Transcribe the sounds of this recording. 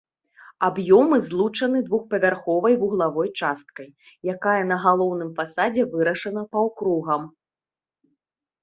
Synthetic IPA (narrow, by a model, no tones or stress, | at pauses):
abjɔmɨzlˠut͡ʂɐnɨd̪vuxpɐvʲarxɔvɐjvuɣlˠavɔjt͡ʂast̪̚kɐj | jakajɐn̪ɐɣalˠɔwnɨmfasad͡zʲɛvɨɾɐʂɐnɐpɐwkɾuɣɐm